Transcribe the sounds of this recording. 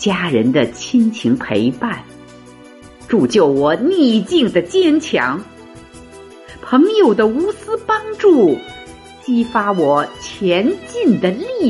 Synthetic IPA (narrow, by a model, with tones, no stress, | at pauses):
t͡ɕja˥ɻə˧˥nd̪ə˨t͡ɕʰi˥nt͡ɕʰi˧˥ŋpʰe˧˥ɪpa˥˩n | ʈ͡ʂu˨˩t͡ɕjo˥˩ʊwɔ˨˩ni˥˧˩t͡ɕi˥˩ŋd̪ə˩t͡ɕjɛ˥˧nt͡ɕʰjɑ˧˥ŋ | pʰɤ˧˥ŋjo˨˩ʊd̪ə˦u˧˥sɹ̩˥pɑ˥nʈ͡ʂu˥˩ | t͡ɕi˥fa˥wɔ˨˩t͡ɕʰjɛ˧˥nt͡ɕi˥˩nd̪ə˩li˥˩